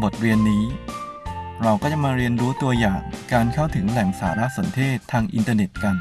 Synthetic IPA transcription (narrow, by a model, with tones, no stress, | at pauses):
bo˨˩t̪̚ɾi˧ənːiː˦˥ | ɾa˧wkɔː˥˩t͡ɕa˧˩˥maː˧ɾi˧ənɾuː˦˥t̪u˧ɐjaː˨˩ŋkaː˧nkʰa˥˩wt̪ʰɯ˩˦ŋlɛ˨˩ŋsa̰ː˩˦ɾa˦˥ʔso˩˦nt̪ʰeː˥˩t̪ʰːaː˧ŋʔi˧nt̪ɤː˧ne˨˩t̪̚ka˧n